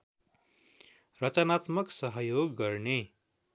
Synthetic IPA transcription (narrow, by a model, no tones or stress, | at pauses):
rʌt͡sʌnat̪mʌksʌɦʌjoɡːʌrne